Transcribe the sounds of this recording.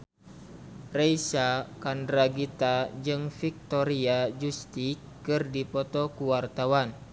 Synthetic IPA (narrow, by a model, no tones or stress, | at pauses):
reisakandɾaɡit̪ad͡ʒɨŋfik̚t̪ɔɾiad͡ʒust̪ikːɨrdipɔt̪ɔkuwart̪awan